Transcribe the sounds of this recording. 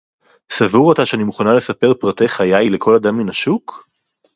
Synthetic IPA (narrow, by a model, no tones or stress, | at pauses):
savuʁotaʃeanimuχanale̞sape̞ʁpʁate̞jχajajle̞kʰo̞lad̪amːinaʃuk